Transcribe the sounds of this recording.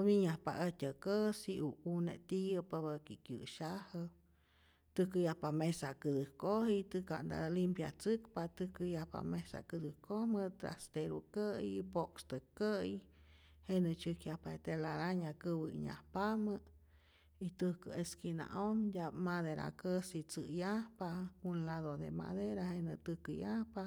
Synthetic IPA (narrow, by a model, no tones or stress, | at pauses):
omiɲahpa̰ʔətʲəkəsiʔuunḛt̪ijəpaβəkikjɨ̰ʃahə | t̪ɨkəjahpamesakɨd̪ɨhkohit̪ɨka̰nd̪a̰limpja̰t͡sɨkpat̪ɨkəjahpa̰mesa̰kɨd̪ɨkohmət̪ɾa̰st̪eɾukəjpokst̪əkəj | henət͡ʃɨkjahpaet̪elaɾaɲakɨwəḭɲa̰hpamə | it̪ɨkəeskina̰ʔonjʲamaðeɾa̰kəsit͡sɨjahpakunlaðod̪ḛma̰ðeɾahenət̪ɨkəjahpa